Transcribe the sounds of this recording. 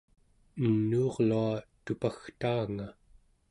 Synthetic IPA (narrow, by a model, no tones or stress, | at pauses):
ənːuːʁluat̪upaxt̪aːŋa